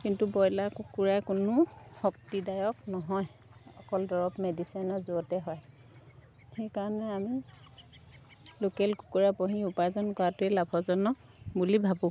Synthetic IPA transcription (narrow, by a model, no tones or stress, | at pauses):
kintubɔjlakukuɹakʊnʊxɔk̚tidajɔknɔɦɔjɔkɔldɔɹɔpmedisajnɔzoɔtɛɦɔj | xejkaɹɔnɛami | lokɛlku̥kuɹapɔɦĩupajzɔnkɔatʊɛlabʱɔzɔnɔk̚ | bulibʱabʊ